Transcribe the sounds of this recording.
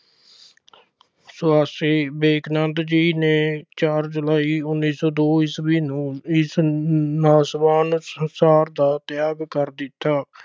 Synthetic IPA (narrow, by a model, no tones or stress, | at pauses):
sʊaːsiːbeːknənt̪d͡ʒiːneːt͡ʃaːɾd͡ʒəlaːiːʊnːiːsɔːd̪oːɪsbiːnũːɪsnaːsbaːnsəsaːɾd̪aːt̪ɪjaːɡkəɾd̪ɪt̪ːaː